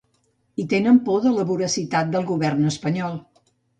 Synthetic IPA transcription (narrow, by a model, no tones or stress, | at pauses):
it̪enəmpoðələβuɾəsit̪at̪̚d̪əlˠɣuβɛrnəspəɲɔlˠ